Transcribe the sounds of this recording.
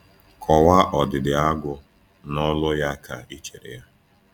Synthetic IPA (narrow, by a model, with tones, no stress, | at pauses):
kʰɔ˨wa˦ʔɔ˨dɪ˨dɪ˨a˦ɡʷʊ˦ | nɔ˦lʊ˦ja˦kʰa˨i˦t͡ʃe˨ɾḛ˨ja˦